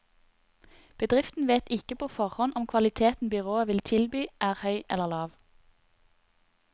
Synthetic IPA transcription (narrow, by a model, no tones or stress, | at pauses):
b̥əd̪ʁɪft̪n̩ʋeːt̪ɪkəpʰoːfɔʁhɔnʔɔmkʰʋɑlɪt̪ʰeːt̪n̩bʏʁoːəʋɪlt̪ʰɪlbyːʔæːʁhœʏʔɛ̰ləʁlɑːʋ